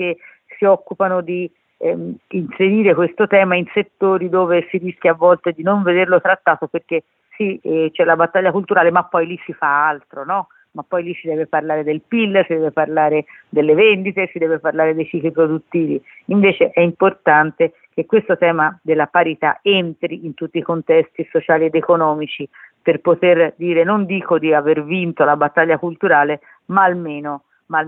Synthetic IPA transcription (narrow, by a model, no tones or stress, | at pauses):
k̟e | siɔkːupanod̪i | inseɾiːɾekwest̪ot̪ɛːmainset̪ːoːɾid̪oːvesiɾisk̟ʲjavːɔlt̪ed̪inoɱved̪erlot̪ɾat̪ːaːt̪operk̟e | sit͡ʃɛlːabat̪ːaʎːakult̪uɾaːlemapːɔjlisifaalt̪ɾonɔ | mapːɔjlisid̪ɛːveparlaːɾed̪elpilːsid̪ɛːveparlaːɾe | d̪elːevɛnd̪it̪esid̪ɛːveparlaːɾed̪ejt͡ʃiːklipɾod̪ut̪ːiːvi | iɱveːt͡ʃeʔɛimport̪ant̪e | k̟ekːwest̪ot̪ɛːmad̪elːapaɾit̪a̰ent̪ɾiint̪ut̪ːiːkont̪ɛst̪isot͡ʃaːlied̪ekonɔːmit͡ʃiperpot̪erd̪iːɾenond̪iːkod̪iavervint̪olabat̪ːaʎːakult̪uɾaːle | maːlmeːno | ma